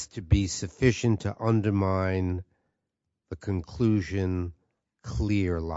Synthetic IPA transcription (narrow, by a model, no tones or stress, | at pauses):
stʰɨbisɨfɪʃɨ̃ntʰɨʔʌ̃ndə˞mãɪ̃n | ðɨkʰɨ̃nkʰl̥uʒɨ̃n | kʰl̥ɪɹla̰